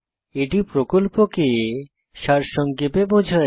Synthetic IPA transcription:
eʈipɾokolpoke | ʃaɾʃɔŋkebebod͡ʑʱae

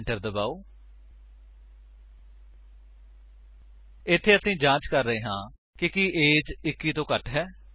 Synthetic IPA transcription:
ɳʈəɾd̪əbaːoː | ɪt̪ʰːeːəsĩːd͡ʒãːt͡ʃkəɾːəɦeːɦãː | kɪkiːʔeːd͡ʒɪkːiːt̪õːkəʈɦɛː

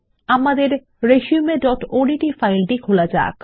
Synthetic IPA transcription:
amad̪eɾ | ɾeʃiumeɖɔʈoɖiʈifajlʈikʰolad͡ʑa̰ːk

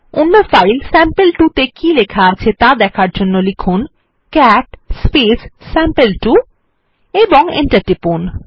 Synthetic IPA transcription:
unːofajlsɛmpelʈut̪ekilekʰaat͡ɕʰet̪ad̪ɛkʰaɾd͡ʑonːolikʰun | kɛʈspissːɛmpelʈu | eboŋḛɳʈaʈipun

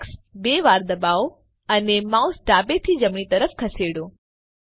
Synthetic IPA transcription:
ksbeʋaɾd̪əbaʋo | ənemausɖabet̪ʰid͡ʒəmɳ̃it̪əɾəfkʰəseɽõ

